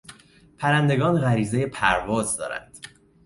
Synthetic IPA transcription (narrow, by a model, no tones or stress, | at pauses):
pʰæɾænd̪e̞ɡɒːnɣæɾiːze̞je̞pʰæɾvɒːzd̪ɒ̰ːɾæ̰nd̪̥